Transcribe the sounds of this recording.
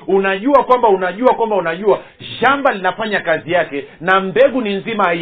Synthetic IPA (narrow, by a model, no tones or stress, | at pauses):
unaʄuakwambaunaʄuakwambaunaʄua | ʃambalinafaɲakazijakɛnambɛɠuninzimaa